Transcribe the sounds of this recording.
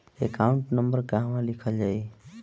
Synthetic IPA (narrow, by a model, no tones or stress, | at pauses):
ekauɳʈnəmbəɾkaɦmãlikʰəld͡ʒaːj